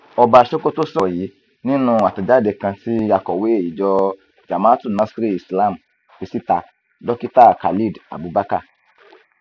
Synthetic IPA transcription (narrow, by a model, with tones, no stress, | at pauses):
ɔ˧ba˧ʃo˦ko˦to˦sɔ˦˨ji˨˦ | nĩ˦nũ˦a˨ta˨d͡ʒa˦de˨kã˧ti˦a˧kɔ˨we˨˦e˦˨i˨d͡ʒɔ˧ | d͡ʒa˨mã˦tu˦˨nã˦si˦ɾi˦˨i˨sla˦˨m̩˨ | fi˧si˦ta˧ | dɔ˦ki˦ta˦˨ka˨li˦˨da̰˨bu˨ba˦ka̰˦˨